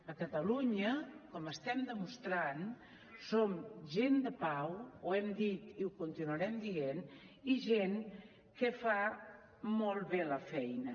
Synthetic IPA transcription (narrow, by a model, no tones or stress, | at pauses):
əkət̪əluɲəkɔməst̪ɛmd̪əmust̪ɾan | somʒend̪əpawwɛmd̪it̪iukunt̪inuəɾɛmd̪ieniʒeŋ | kəfa | mɔlˠβeləfɛjnə